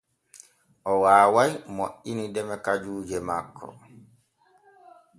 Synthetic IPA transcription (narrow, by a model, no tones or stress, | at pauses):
ʔɔwaːwajmoʔinidɛmɛkad͡ʒuːd͡ʒɛma̰kʰːɔ̰